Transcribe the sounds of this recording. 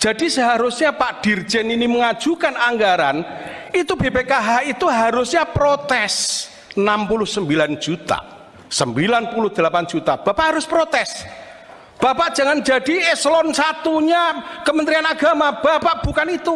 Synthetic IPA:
d͡ʒ̥adisəɦaɾʊsɲapaʔd̥i̤rd͡ʒ̥ɛniniməŋḁd͡ʒ̥ukanaŋɡaɾa̰n | it̪ubepekaɦait̪uɦaɾʊsɲapɾot̪ɛs | nampulʊhsəmbiland͡ʒ̥ut̪a̰ | səmbilanpulʊhd̪̥əlapan̥d͡ʒ̥ut̪ab̥apaʔɦaɾʊspɾot̪ɛs | b̥apaʔd͡ʒ̥a̤ŋand͡ʒa̤dieslɔnsat̪uɲakəmənt̪ɾianaɡ̥amab̥apaʔb̥ukanit̪u

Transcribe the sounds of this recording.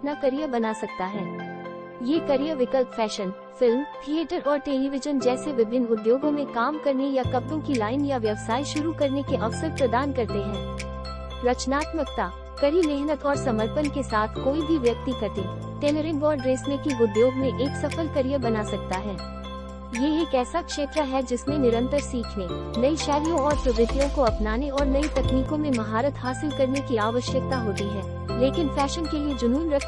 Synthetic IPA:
nakɐɾijəbɐnaːsɐk̚t̪aɦɛː | jeːkɐɾijəʋɪkəlpfɛːʃən | fɪlmt̪ʰieːʈəɾɔːɾʈeːliʋɪd͡ʒənd͡ʒɛːseʋɪbʱɪnʊd̪joːɡõmẽkaːmkɐɾnejakɐpɾõkilaːɪnjaʋjɐʋsaːiʃʊɾukɐɾnekeʔɐʋsəɾpɾɐd̪aːnkɐɾt̪eɦɛ̃ː | ɾɐt͡ʃnaːt̪mək̚t̪a | kɐɾimeɦnət̪ɔːɾsɐməɾpənkesaːt̪ʰkoːibʱiʋjɐk̚t̪ikʰɐt̪e | ʈeːləɾɪ̃ɳbɔːɾɖɾeːsnekiʋʊɖ̪ʱjoːɡmẽʔeːksɐfəlkɐɾijəbɐnaːsɐk̚t̪aɦɛː | jeeːkɛːsakʃeːt̪ɾaɦɛd͡ʒɪsnẽnɪɾə̃nt̪əɾsiːkʰnenɐiʃɛːlijõɔːɾsʊbɪt̪ijõkoɐpnaːneɔːɾnɐit̪ɐkniːkõmẽmɐɦaːɾət̪ɦaːsɪlkɐɾnekiaːʋəʃjək̚t̪aɦoːt̪iɦɛ̃ː | leːkɪnfɛːʃənkelied͡ʒʊnuːnɾɐkʰ

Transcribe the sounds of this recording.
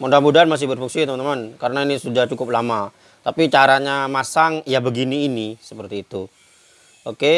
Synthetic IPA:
mɔndambudanmas̬ɪhbərfuŋsit̪əmant̪əmankaɾənainisudaht͡ʃukʊp̚lama | t̪apit͡ʃaɾaɲamasaŋjabəɡiniːnisəpərt̪iːt̪u | oke

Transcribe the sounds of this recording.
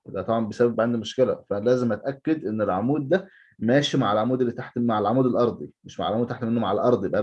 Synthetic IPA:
wed̪æt̪ˤɑbʕɑmbesæbæbʕand̪imoʃkelæ̰fæælæːzemʔæt̪ʔækːed̪ʔenːelʕomuːd̪̚ːæ | mæːʃimaʕelʕamuːd̪elːit̪aħt̪maʕelʕamuːd̪elʔɑɾˤd̪ˤimeʃmaʕlʕmuːd̪̚t̪aħt̪menːomaʕelʔɑɾˤd̪ˤjebʔæ

